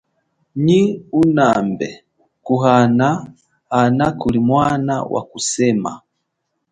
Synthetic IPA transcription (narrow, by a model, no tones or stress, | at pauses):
ɲiunambɛ | kuɦana | anakulimwana̰wʔa̰kusɛma̰